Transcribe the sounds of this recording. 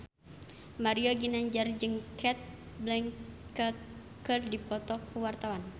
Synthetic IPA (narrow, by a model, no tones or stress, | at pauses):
maɾioɡinaɲd͡ʒard͡ʒɨŋkʰɛt̪̚ | blɛŋkt̪̚ | kərdipɔt̪ɔkʰuwart̪awan